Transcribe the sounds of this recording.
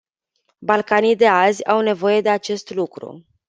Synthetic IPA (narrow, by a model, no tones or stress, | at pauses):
balkanijd̪e̞azʲawne̞vo̞je̞d̪e̞at͡ʃe̞st̪lukɾṵ